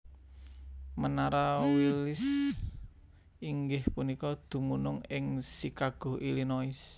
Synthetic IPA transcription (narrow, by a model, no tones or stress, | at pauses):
mənaɾawilɪs | iŋɡɪhpunikɔd̪̥ṳmunʊŋɪŋsikaɡ̥o̤ilinoɪs